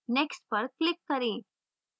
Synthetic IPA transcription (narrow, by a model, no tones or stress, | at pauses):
neksʈpɐɾklɪkːɐɾi